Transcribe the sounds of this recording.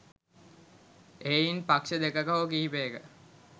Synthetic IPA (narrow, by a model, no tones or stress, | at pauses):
einpakʃəd̪ekəkaɦokiɦipeːkə